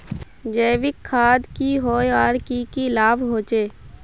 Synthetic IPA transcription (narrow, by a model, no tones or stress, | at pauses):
d͡ʒeːʋɪkʰːaːd̪kiɦoːjaːɾkikilaːbɦoːt͡ʃeː